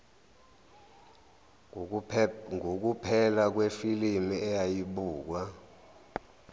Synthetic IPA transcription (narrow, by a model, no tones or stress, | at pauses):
ŋok̬upʰɛlak̬wefilimiɛjajiɓuːk̬wa